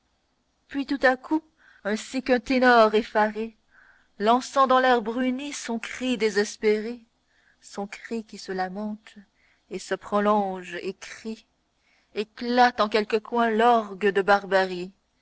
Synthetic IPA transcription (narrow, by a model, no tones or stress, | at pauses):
pɥit̪ut̪aku | ɛ̃sikœ̃t̪enɔʁefaʁe | lɑ̃sɑ̃d̪ɑ̃lɛʁbʁynisɔ̃kχid̪ezɛspeʁe | sɔ̃kχikʲisəlamɑ̃t̪ | esəpχɔlɔ̃ʒekχi | eklat̪ɑ̃kʲɛlkəkwɛ̃lɔʁɡəd̪əbaʁbaʁi